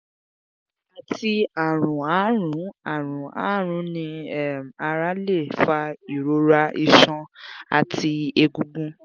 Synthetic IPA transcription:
a˨˧tʰi˧a˨ɾũ˨a˨˦ɾ̃ũ˨˦a˨ɾ̃ũ˨a̰˦ɾ̃ũ˨˦nĩ˧ɛ˦˨m˨a˧ɾa˦le˦˨fa˧i˨ɾo˧ɾa˧i˧ʃɔ̃˧a̰˧tʰi˧e˧ɡũ˧ɡũ˦

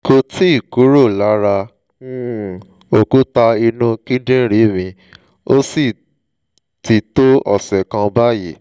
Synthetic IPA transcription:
ko˧ti˦i˦˨ku˨˦ɾo˦˨la˨˦ɾa˧˦ | o˨ku˦ta˧i˧nũ˦ki˦dĩ˦ɾi˨˦˨mĩ˧ | o˦si˦˨ | ti˧to˦ɔ̰˦˨sɛ˨kã˧ba˦ji˦˨

